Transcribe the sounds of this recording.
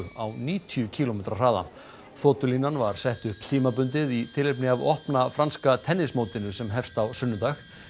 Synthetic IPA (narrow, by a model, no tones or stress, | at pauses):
awniːt̪ʰjʏcʰiːlɔmejt̪ɾar̥aːða̰ | foːt̪ʏlinanvaɾ̥sɛht̪ʏhpt̪ʰiːmapʏnt̪ɪðit̪ʰɪlɪpnɪavɔhpnafɾanskat̪ʰɛnːɪsmoːwt̪ɪnʏsɛmɦɛfst̪awsʏnːʏt̪ax